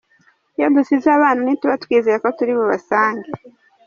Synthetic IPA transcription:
jodusizaβaːnanituβatwiːzeɾeko̞tuɾiβoβasaːŋɡe

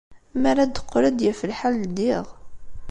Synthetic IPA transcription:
mæɾæd̪ə̥qːɾad̪jæfəlħald̪iʁ

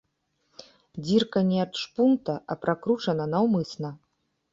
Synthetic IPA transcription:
d͡zʲirkɐnʲɛɐt̪ʂpunt̪ɐʔɐpɾakɾut͡ʂɐnɐnɐwmɨsnɐ

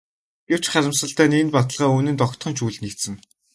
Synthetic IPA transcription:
ɡew̥t͡ɕχaɾʲɪ̆msə̆ɬt̪æːnenpat̪ə̆ɮʁaːuːnɘ̆nt̪ɔkt̪χɞ̆nʃuːɮt̪nikt̪sɘ̆ŋ

